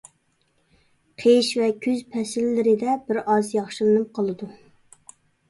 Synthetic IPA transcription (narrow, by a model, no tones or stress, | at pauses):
qʰeʃvɛkʲʰyzpʰɛsɪlːɪɾɪd̪ɛbɪɾɑzjɑχʃilˠɨnɨp̚qʰəlˠɨd̪u